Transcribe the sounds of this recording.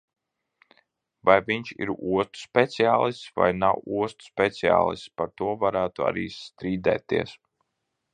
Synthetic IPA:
vajviɲt͡ʃḭɾuɔst̪u̥spʲet̪siaːlˠist̪sva̰jnawuɔst̪u̥spʲet̪sia̰ːlˠḭst̪paɾt̪uɔvaɾæːt̪ua̰ɾiːst̪ɾiːd̪ɛ̰ːt̪iɛs

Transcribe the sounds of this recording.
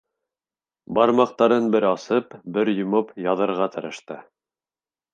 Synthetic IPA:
bɑɾmɑq̚t̪ɑɾɤnbɘɾɑsɤpbɘɾjŏmopjɑðɤ̆ɾʁɑt̪ʰɤ̆ɾɤ̆ʃt̪ɤ

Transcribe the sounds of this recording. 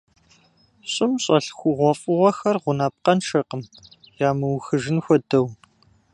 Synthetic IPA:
ɕʼɪmɕʼɐɬxʷʊʁʷɔfʼɨʁʷɔxɐrʁʷʊnaːp̚qɐnʃɐqəm | jaːmɨwxɨʒɪnxʷɔdɐw

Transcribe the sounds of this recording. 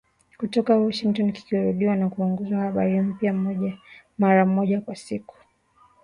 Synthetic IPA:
kutɔkawɔʃiŋktɔnki̥kiɾuɗiwanakuuŋɡɔzwahaɓaɾim̩pjamɔʄamaɾam̩ɔʄakwasiku̥

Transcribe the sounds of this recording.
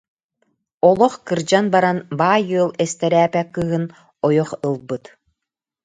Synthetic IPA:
ɔlˠɔχkɯɾd͡ʑanbaɾanbaːjɯəlˠɛst̪ɛɾæːpɛkːɯːɦɯn | ɔjɔχɯlˠbɯt̪

